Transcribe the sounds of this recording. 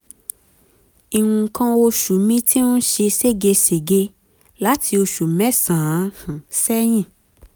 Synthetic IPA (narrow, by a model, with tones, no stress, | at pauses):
i˨ŋũ˨kʰã˧wo˧ʃu˨mĩ˧˦tʰi˦nũ˦ʃe˧se˦˨ɡe˧se˨ɡe˧ | la˨˦tʰi˧o˧ʃu˨mɛ̃˨˦sã˨˦hũ˨sɛ˦j̃ĩ˦˨